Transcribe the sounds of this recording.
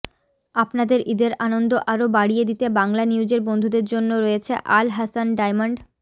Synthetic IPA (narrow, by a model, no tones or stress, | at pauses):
apnad̪eɾʔid̪eɾanond̪oʔaɾobaɽijed̪it̪ebaŋlaniud͡ʑeɾbond̪ʱud̪eɾd͡ʑonːoɾojet͡ɕʰḛʔalɦasanɖajmaɳɖ